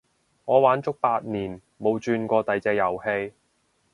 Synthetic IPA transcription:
ŋɔː˨˧waː˨˥nt͡sʊ˥k̚paː˧t̚niː˨˩n | mo˨˧wt͡ʃyː˧nkʷɔː˧t̪ɐ˨jt͡sɛː˧jɐ˨˩whe˧j

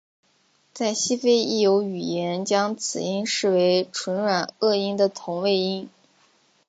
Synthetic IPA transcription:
t͡sa˥˩ɪɕi˥fe˥ɪi˥˩jo˧˥ʊy˨˩jɛ˧˥nt͡ɕjɑ˥ŋt͡sʰɹ̩˨˩i˥nʂɻ̩˥˩we˧˥ɪʈ͡ʂʰwə˧˥nɻwa˨˩nɤ˥˩i˥nd̪ə˨t̪ʰʊ˧˥ŋwe˥˧ɪi˥ŋ

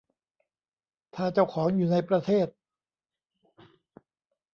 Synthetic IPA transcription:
t̪ʰaː˥˩t͡ɕa˥˩wkʰɔː˩˦ŋjuː˨˩na˧jpɾa˧t̪ʰeː˥˩t̪̚

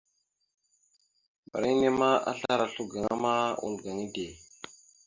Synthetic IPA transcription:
ba˨ɾi˦ne˦ma˦ʔa̰˦ɬa˦ɾa˨ɬu˦ɡa˨ŋa˦ma˦ṵ˨lɡa˨ŋi˦de˨

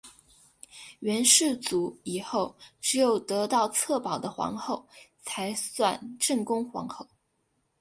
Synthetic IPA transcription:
ɥɛ˧˥nʂɻ̩˥˩t͡su˧˥i˨˩xo˥˩ʊʈ͡ʂɻ̩˧˥jo˨˩ʊt̪ɤ˧˥t̪ɑ˥˧ʊt͡sʰɤ˥˩pɑ˨˩ʊd̪ə˦xwɑ̰˧˥ŋxo˥˩ʊt͡sʰa˧˥ɪswa˥˧nʈ͡ʂə˥˩ŋkʊ˥ŋxwɑ̰˧˥ŋxo˥˩ʊ

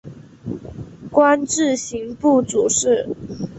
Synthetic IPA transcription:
kwa˦˥nʈ͡ʂɻ̩˥˩ɕi˧˥ŋpu˥˩t͡su˨˩ʂɻ̩˥˩

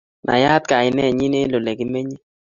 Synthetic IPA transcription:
nʔa̰˨ja˦t̪̚ka˨ɪ˨nɛ˦˨ɲi˦ne˦lo˨le˨ɡi˦me˦ɲi˦

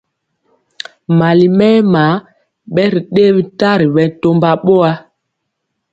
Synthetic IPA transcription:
ma˨li˨mɛ˦ma˨˦ | ɓɛ˦ɾi˨ɗe˦bi˦ta˦ɾi˨ɓɛ˨˦to˦mba˦ɓo˦a˦

